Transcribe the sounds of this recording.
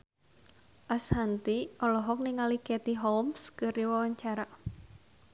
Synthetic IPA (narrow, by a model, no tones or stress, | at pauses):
ʔashant̪iɔlɔɦɔk̚niŋalikɛt̪iɦɔwmskəɾiwawaɲt͡ʃaɾa